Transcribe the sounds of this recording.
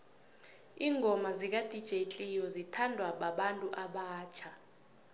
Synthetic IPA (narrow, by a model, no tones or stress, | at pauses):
iːŋʱɔmazik̬ad̥ʱid̥ʒ̥ʱet͡ɬʼijɔzitʰandʱwaɓaɓantʼuʔaɓaːt͡ʃʰa